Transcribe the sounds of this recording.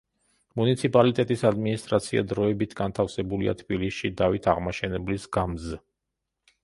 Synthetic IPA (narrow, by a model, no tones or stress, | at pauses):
munit̪sʰipʼalit̪ʼɛt̪ʼisad̪minist̪ʼɾat̪sʰia̰d̪ɾɔɛbit̪ʰɡant̪ʰafsɛbulia̰t̪ʰbilisʃid̪avit̪ʰaʁmaʃɛnɛblisɡamz